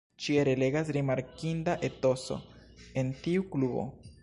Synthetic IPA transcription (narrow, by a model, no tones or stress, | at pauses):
t͡ʃieɾele̞ɡas̬ɾimaɾkindaʔe̞to̞so̞̰ | e̞ntiuklubo̰